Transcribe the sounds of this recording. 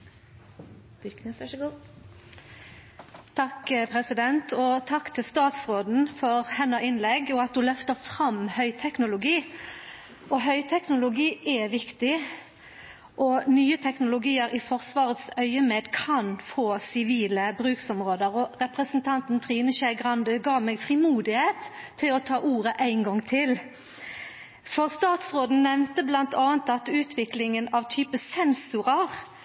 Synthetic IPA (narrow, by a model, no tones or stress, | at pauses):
k̪sɡ | t̪ʰɑkpʰʁɛsɪd̪ɛnt̪ʰɔt̪ʰɑkːt̪ʰɪlst̪ɑːt̪sʁoːd̪n̩fɔʁhɛnːəʔɪnlɛɡɔɑt̪̚d̪ʉlœft̪əʁfʁɑmhœʏt̪ʰɛknʊlʊɡiː | ɔɦœʏt̪ʰɛknʊlʊɡiːʔɛʋɪkt̪ɪ | ʔɔnyːət̪ʰɛknʊlʊɡiːəɾɪfɔʁsʋɑːʁət̪sœʏəmeːd̪kʰɑnfoːsɪʋiːləbʁʉːksɔmʁoːd̪əʁɔʁɛpʁəsənt̪ʰɑnt̪n̩t̪ʰʁiːnəʃæɪɡʁɑnd̪əɡɑːmɛːɡfʁɪmuːd̪ɪheːt̪ʰːɪlɔt̪ʰɑːʔuːʁəʔæɪŋɡɔŋt̪ʰɪl | fɔʁst̪ɑːt̪sʁoːd̪n̩nɛʋnt̪əblɑnt̪ʰɑːnt̪ɑt̪ʉːt̪ʰʋɪklɪŋənɑʋt̪ʰyːpəsɛnsʊʁɑʁ